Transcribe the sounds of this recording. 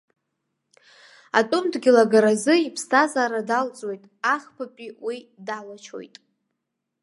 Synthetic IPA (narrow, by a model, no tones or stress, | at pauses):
a̰tʼʊmdɡʲɪlaɡaɾazɨipʰstʰazaːɾadalt͡sʼwo̞jtʼaχpʰapʲʼiwidalat͡ʃʰo̞̰jtʼ